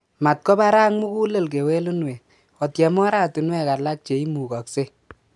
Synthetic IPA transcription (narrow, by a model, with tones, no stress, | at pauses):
ma˨t̚kɔ˦ba˦ɾa˦ŋmu˦ku˦lə˨lk̬e˨we˦lu˦nwɛ˨ | ɔ˨tjɛ˨mɔ˦ɾa˦tu˨nwɛ˦ka˨la˦k̚t͡ʃe˨i˦mu˨ka˨kse˦